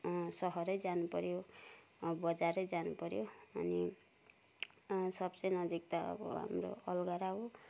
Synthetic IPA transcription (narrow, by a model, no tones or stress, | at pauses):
sʌɦʌɾʌjd͡zanupʌɾjo | bʌd͡zaɾʌjd͡zanupʌɾjoʌni | sʌbt͡sʌjnʌd͡zik̚t̪ʌ̰bʌ̰ɦa̰mro̰ʌlɡaɾaɦo